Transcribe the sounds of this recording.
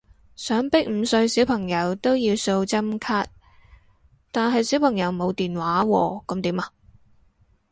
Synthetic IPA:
sœː˨˥ŋpɪ˥k̚m̩˨˧sɵ˧ɥsi˨˥wpʰɐ˨˩ŋjɐ˨˧˥wt̪o˥wjiː˧wso˧wt͡sɐ˥mkʰaː˥t̚ | t̪aː˨nɦɐ˨jsi˨˥wpʰɐ˨˩ŋjɐ˨˥wmo˨˧wt̪iː˨nwaː˨˥wɔ̰ː˧kɐ˨˧˥mt̪iː˨˥ma˧

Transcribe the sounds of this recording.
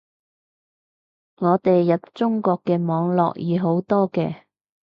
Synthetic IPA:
ŋɔː˨˧t̪e˨jːɐ˨t̚t͡ʃʊ˥ŋkɔː˧kːɛː˧mɔː˨˧ŋlɔ̰ː˨k̚jiː˨˥ɦo˨˥wt̪ɔː˥kɛː˧

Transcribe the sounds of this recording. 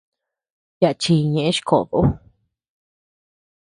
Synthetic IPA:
ja˧ʔt͡ʃi˧ɲẽ˨ʔẽ˦ʃi̥˧kʰo̰˨ðo˨˦

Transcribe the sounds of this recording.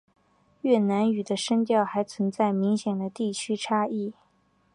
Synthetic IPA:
ɥɛ˥˩na˧˥ny˨˩d̪ə˦ʂə˥ŋt̪jɑ˥˩ʊxa˧˥ɪt͡sʰwə˧˥nt͡sa˥˩ɪmi˧˥ŋɕjɛ˨˩nd̪ə˦t̪i˥˩t͡ɕʰy˥ʈ͡ʂʰa˥i˥˩

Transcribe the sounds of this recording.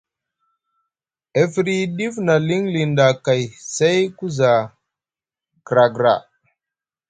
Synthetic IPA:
e˨fɾi˦ɗi˦fna˨li˦ŋli˨nda˨ka˨jse˦jku˦za˨ | ɡ̥ɾa˨ɡɾa̰˨

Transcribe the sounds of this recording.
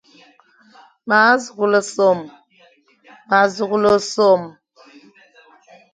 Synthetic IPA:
ma˨˦zu˨ɡu˨lə˨so˨m | ma˨zu˨ɡu˦lo˦so˨m

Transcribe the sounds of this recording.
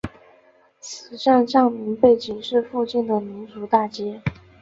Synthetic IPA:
t͡sʰɹ̩˨˩ʂa˥˧nʂɑ˥˩ŋmi˧˥ŋpe˥˩ɪt͡ɕi˨˩ŋʂɻ̩˥˧fu˥˧t͡ɕi˥˩nd̪ə˩mi˧˥nʈ͡ʂu˧˥t̪a˥˩t͡ɕjɛ˥

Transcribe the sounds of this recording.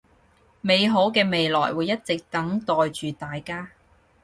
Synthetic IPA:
me˨˧jɦo˨˥wkɛː˧me˨jlɔ̰ː˨˩jwuː˨˧jːɐ˥t̚t͡sɪ˨k̚t̪ɐ˨˥ŋt̪ɔː˨jt͡ʃyː˨t̪aː˨jkaː˥

